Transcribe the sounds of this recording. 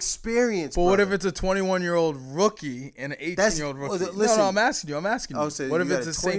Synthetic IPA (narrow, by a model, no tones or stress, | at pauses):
kspɪɹiɨ̃nb̥ʌt̚wwʌɾɛfɨtsɨtʰw̥ɛ̃ɾ̃iwʌ̃njɪɹoʊlˠd̚ɹʊkiɨ̃nɨeɪtnjɹoʊlˠdɹʊkilɪoʊnoʊãɪ̃mæskɪ̃ŋjʉãɪ̃mæskɪ̃ŋoowʌɾɨfɨsðɨsẽɪ̃